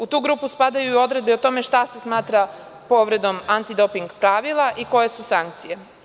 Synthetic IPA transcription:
ut̪uːɡɾuːpuspad̪ajuio̞d̪ɾe̞d̪̚beot̪o̞me̞ʃt̪ase̞smaːt̪ɾa | po̞ʋɾe̞d̪o̞mant̪id̪o̞piŋɡpɾaʋilˠaʔiko̞je̞susaŋkt̪sije̞

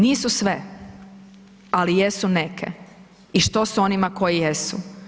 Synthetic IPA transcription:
niːsusʋe | alijesunekʰḛ | iʃt̪o̞suo̞nimako̞jijesṵ

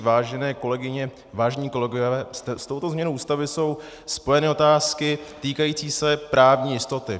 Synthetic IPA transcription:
vaːʒɛnɛːko̞lɛɡɪɲɛ | vaːʒɛɲiːko̞lɛɡovvɛːsst̪o̞wt̪ozmɲɛnoʔuːst̪avɪso̞w | spo̞jɛnɪo̞t̪aːskɪt̪iːkajiːt͡siːsɛpɾaːvɲiːjɪst̪o̞t̪ɪ

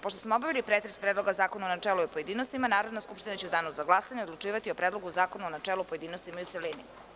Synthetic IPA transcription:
poʃt̪osmoobaʋilipɾet̪ɾespɾed̪lo̞ɡazaːkonaonat͡ʂeːlˠojpoje̞d̪iːnost̪imanaːɾod̪naskupʃt̪inat͡ɕeud̪aːnuzaɡlˠaːsaɲeod̪lˠuʈ͡ʂiːʋat̪io̞pɾeːd̪lˠoɡuzaːkonuonat͡ʂelˠupojed̪iːnost̪imajut̪selini

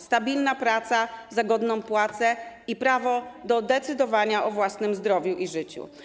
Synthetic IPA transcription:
st̪abʲilnapɾat̪sazaɡɔd̪nɔ̃w̃pwat̪sɛipɾavɔd̪ɔd̪ɛt̪sɘd̪ɔvaɲaʔɔvwasnɘmzd̪ɾɔvʲjuʔiʐɘt͡ɕṵ

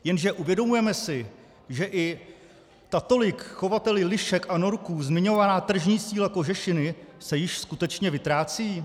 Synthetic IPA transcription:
jɛnʒɛʔuvjɛdo̞mujɛmɛsɪ | ʒɛʔɪ | t̪at̪o̞lɪkxo̞vat̪ɛlɪlɪʃɛkʔano̞ɾkuːzmɪɲo̞vanaːt̪r̩ʒɲiːsiːlako̞ʒɛʃɪnɪsɛjɪʃskut̪ɛt͡ʃɲɛvɪt̪ɾaːt͡siː

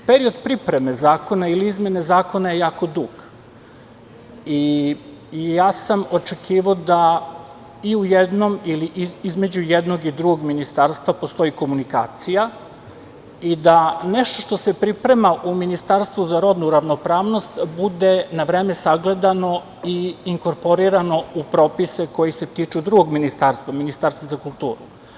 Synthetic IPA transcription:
peɾio̞d̪pɾipɾe̞me̞zaːko̞nailiizme̞nezaːko̞naje̞jaːko̞d̪uɡ̥ | i | jaːsamo̞t͡ʃe̞kʰiːʋaod̪a | iujed̪nomiliʔizme̞d͡ʑujed̪no̞ɡid̪ɾuɡoɡminist̪aɾst̪ʋapo̞st̪o̞iko̞munika̰ːt̪sija | id̪ane̞ʃt̪o̞ʃt̪o̞se̞pɾipɾe̞maʔuminist̪aɾst̪ʋuzaɾo̞d̪nuɾaʋno̞pɾaːʋno̞st̪bud̪e̞naʋɾe̞ːme̞saɡle̞d̪ano̞ | iːŋko̞ɾpo̞ɾiɾano̞upɾo̞ːpiseko̞jise̞t̪it͡ʃud̪ɾuɡoɡminist̪aɾst̪vaminist̪aːɾst̪azakulˠt̪ṵːɾu

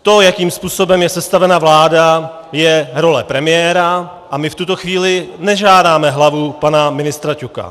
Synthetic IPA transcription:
t̪o̞jakiːmspuːso̞bɛmjɛsɛst̪avɛnavlaːda | jɛɾo̞lɛpɾɛmɪjɛːɾa | ʔamɪft̪ut̪o̞xviːlɪnɛʒaːdaːmɛɦlavupanamɪnɪst̪ɾacuka̰

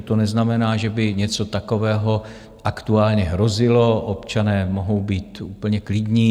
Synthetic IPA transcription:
t̪onɛznamɛnaːʒɛbɪɲɛt͡so̞t̪ako̞vɛːɦo̞ | ʔakt̪uaːlɲɛɦɾo̞zɪlo̞ʔopt͡ʃanɛːmoɦo̞wbiːt̪uːpl̩ɲɛklɪdɲiː

